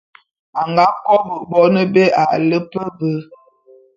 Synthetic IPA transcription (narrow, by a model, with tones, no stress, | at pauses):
a˨ŋɡa˨˦kɔ˦bə˨bɔ˦nə˦be˦a˨lə˦pə˦bə˦